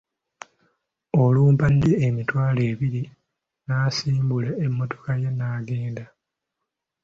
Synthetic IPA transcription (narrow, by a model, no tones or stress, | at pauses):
o̞luːmpandeːmitwaːle̞ːβiɾi | naːsiːmbuleemːo̞to̞̥kaje̞naːɡe̞ːnda